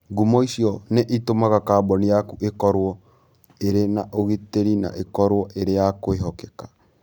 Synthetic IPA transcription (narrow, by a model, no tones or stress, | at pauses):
ɡumɔisiɔneʔitomaɣakaːbɔnijakuʔekɔɾwɔ | eɾenaʔoɣeteɾina̰ʔekɔɾwɔʔeɾejakoeɦɔkɛkḁ